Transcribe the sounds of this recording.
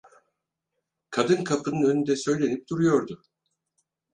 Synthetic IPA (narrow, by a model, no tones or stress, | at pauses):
kʰad̪ɯnkʰapʰɯnɯnø̞nynd̪ɛsø̞jlʲe̞nip̚d̪uɾujo̞ɾd̪ʊ